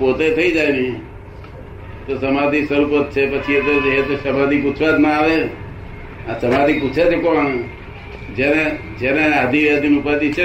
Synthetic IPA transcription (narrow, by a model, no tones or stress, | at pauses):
pot̪et̪ʰəid͡ʒajnəi | t̪osəmad̪ʱisəɾupət̪̚t͡ʃʰepət͡ʃʰiet̪̬od͡ʒeɦet̪oʃəmad̪ʱikut͡ʃʰʋad͡ʒ̪naaʋe | asəmad̪ʱikut͡ʃʰet͡ʃʰekoãŋ | d͡ʒene | d͡ʒenead̪ʱiʋad̪inupat̪it͡ʃʰe